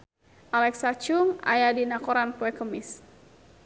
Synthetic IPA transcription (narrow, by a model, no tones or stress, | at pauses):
ʔalɛksat͡ʃʊŋa̰jadinakɔɾanpɔɛkəmɪs